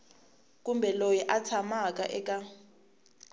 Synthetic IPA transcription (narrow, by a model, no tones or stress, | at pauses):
k̬ʼumbʱɛlojɛʔat͡sʰamakʼa̰ʔɛkʼa